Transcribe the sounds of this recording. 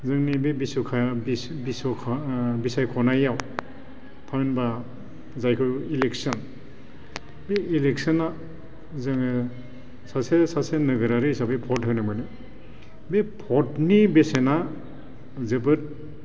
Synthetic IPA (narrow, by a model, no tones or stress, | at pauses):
zɯŋnibebisukʰabbiskʰbisajkʰɔnajaw | tʰaminba | zajkʰɯileksɯn | beileksɯna | zɯŋ | sasesasenɯɡɯɾaɾɯsabepʰɔtɦɯnɯmɯnɯ | bepʰɔtnibesena | zɯbɯt̚